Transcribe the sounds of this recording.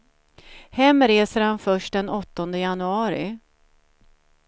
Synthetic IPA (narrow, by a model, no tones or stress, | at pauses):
hɛmːɾeːsəɾhanfœʂʈ̚d̪ɛnɔt̪ːɔnd̪əjanɵɑːɾɪ̰